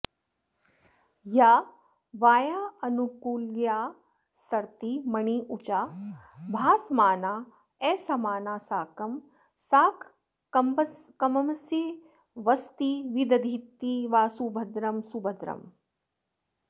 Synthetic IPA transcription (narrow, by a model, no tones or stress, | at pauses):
jaː | ʋaːjaːɐnukuːljaː | sɐɾt̪imɐɳiːʔut͡ʃaː | bʱaːsmaːnaː | eːsɐmaːnaːsaːkɐm | saːkʰː | ɐmpɐkɐmɐmse | ʋɐst̪iʋid̪ɐd̪ʱit̪ːiʋaːsubʱɐd̪ɾɐmsubʱɐd̪ɾɐ̰m